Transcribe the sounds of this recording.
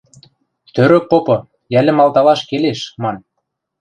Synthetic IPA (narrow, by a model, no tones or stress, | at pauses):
t̪øɾø̆k̚popɤ̆ | jælʲɘ̆mɑlˠt̪ɑlɑʃkeleʃmɑn